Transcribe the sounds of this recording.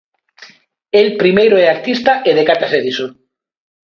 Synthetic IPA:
elpɾimejɾoeakt̪ist̪aʔeðekat̪aseðiso

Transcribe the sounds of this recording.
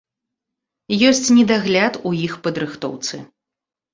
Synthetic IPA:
jɔsʲt͡sʲnʲɛd̪aɣlʲat̪ujixpɐd̪ɾɨxt̪ɔ̰wt̪sɨ̰

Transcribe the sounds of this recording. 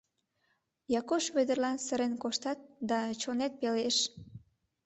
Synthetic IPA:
jɑkoʃβød̪ərlɑnsəɾenkoʃt̪ɑt̪̚d̪ɑt͡ɕonet̪̚peleʃ

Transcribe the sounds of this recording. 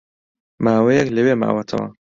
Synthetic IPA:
maːwejɛkləweːma̰ːwɐt̪ʰɐ̰wɐ̰

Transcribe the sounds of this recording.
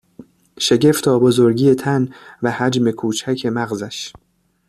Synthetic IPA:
ʃe̞ɟe̞ft̪ʰɒːbozoɾɟiːet̪ʰænvæhæd͡ʒme̞kʰuːt͡ʃʰæcʰemæɣzæʃ

